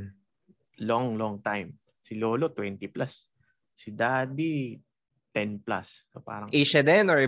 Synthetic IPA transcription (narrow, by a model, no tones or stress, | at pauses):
loŋlɔŋt̪ajm | sɪloːlot̪wɛnt̪iplasː | ɪd̪aːd̪i | t̪ɛnplasːopa̰ːɾɐŋʔiʃɐd̪ɛnɔɹɪ